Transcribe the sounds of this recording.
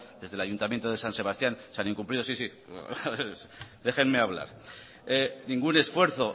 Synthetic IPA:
d̪e̞zðe̞laʝunt̪amjent̪oð̞e̞sanse̞β̞ast̪janseanĩŋkumpliðo̞sisi | ðe̞xe̞nme̞aβ̞la̰ɾ | enĩŋɡune̞sfwe̞ɾθo̞

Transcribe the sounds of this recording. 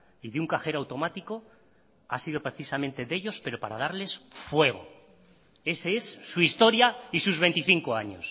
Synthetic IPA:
iðeuŋkaxe̞ɾawt̪o̞mat̪iko̞ | asið̞o̞pɾeθisamẽ̞nt̪e̞ðe̞ʎo̞spe̞ɾo̞paɾa̰ð̞aɾle̞sfwe̞ɣ̞o̞̰ | e̞seesːuist̪o̞ɾjaisuzβe̞nt̪iθiŋko̞aɲo̞̰s

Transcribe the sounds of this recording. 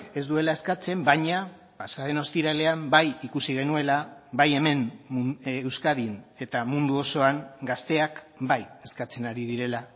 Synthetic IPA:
e̞zd̪ue̞lae̞skat͡se̞mbaɲa | pasaðe̞no̞st̪iɾale̞ambajikusiɣ̞e̞nue̞laβaje̞me̞n | ewskaðine̞t̪amund̪uo̞so̞aŋɡast̪e̞ak | baje̞skat͡se̞naɾið̞iɾe̞la

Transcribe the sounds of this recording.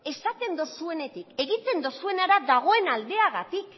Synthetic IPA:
e̞sat̪e̞nd̪osue̞ne̞t̪ike̞ɣit͡se̞nd̪osue̞naɾaðaɣ̞o̞e̞nald̪e̞aɣat̪ik

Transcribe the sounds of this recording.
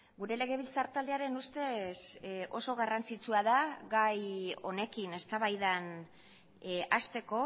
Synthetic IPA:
ɡuɾe̞le̞ɣ̞e̞βilt͡saɾt̪ald̪e̞aɾe̞nust̪e̞sʔo̞so̞ɣ̞arant͡sit͡suaðaɡajo̞ne̞kine̞st̪aβajðan | ast̪e̞ko̞

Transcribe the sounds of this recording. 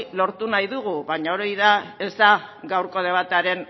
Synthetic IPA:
lo̞ɾt̪unajðuɣ̞uβaɲaoɾajðae̞zd̪aɡawɾko̞ð̞e̞βat̪aɾe̞n

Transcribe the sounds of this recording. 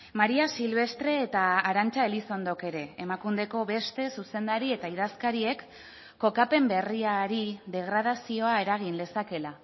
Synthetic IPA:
maɾiasilβ̞e̞st̪ɾe̞ːt̪aːɾant͡ʃaeliso̞nd̪o̞ke̞ɾe̞emakund̪e̞ko̞βe̞st̪e̞suse̞nd̪aɾie̞t̪aiðaskaɾie̞kː | o̞kape̞mbe̞riaɾiðe̞ɣ̞ɾað̞asio̞ae̞ɾaɣ̞inle̞sake̞la

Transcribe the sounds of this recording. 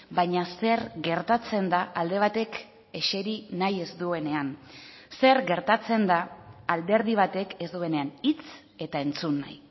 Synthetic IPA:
baɲase̞ɾɣe̞ɾt̪at͡se̞nd̪aʔald̪e̞β̞at̪e̞k | e̞ʃe̞ɾinaje̞zd̪ue̞ne̞an | se̞ɾɡe̞ɾt̪at͡se̞nd̪aːld̪e̞ɾðiβ̞at̪e̞kezd̪ue̞ne̞anit͡s | e̞t̪ae̞nt͡sunːa̰j

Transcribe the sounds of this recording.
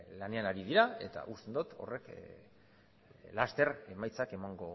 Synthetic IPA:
lane̞anaɾið̞iɾae̞̰t̪a̰ʔust̪end̪ut̪ʰo̞̰re̞k | last̪e̞ɾe̞majt͡sake̞maŋɡo̞

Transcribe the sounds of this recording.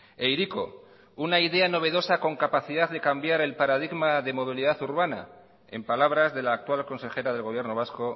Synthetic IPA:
e̞jɾiko̰ | unaiðe̞ano̞β̞e̞ðo̞sako̞ŋkapaθiðaððe̞kambjaɾe̞lpaɾaðiɣmaðe̞mo̞β̞iliðaθuɾβana̰ | e̞̰mpalaβɾazðe̞laːk̚t̪walko̞nse̞xe̞ɾað̞e̞lɣo̞β̞je̞ɾnoβasko̞

